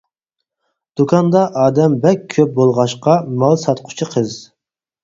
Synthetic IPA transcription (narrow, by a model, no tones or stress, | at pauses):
d̪̥ukʰɑnd̪ɑʔɑːd̪ɛmbɛkʲʰøp̚bolˠʁɑʃqɑmɑlˠsɑt̪qʰʊ̥t͡ʃʰiqʰəz